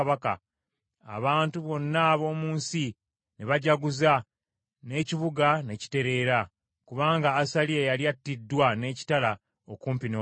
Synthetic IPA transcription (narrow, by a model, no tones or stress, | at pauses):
βaka̰ | a̰βaːntuβo̞nːaβo̞ːmuːnsi | neβaɟaɡuza | ne̞ːciβuɡane̞ci̥te̞ɾe̞ːɾa | kuβaːŋɡaːsaliejaliatːidːwane̞ːci̥tala | okuːmpino